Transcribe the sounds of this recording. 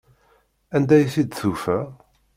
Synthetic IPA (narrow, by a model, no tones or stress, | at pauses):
ænd̪æjθid̪θufæ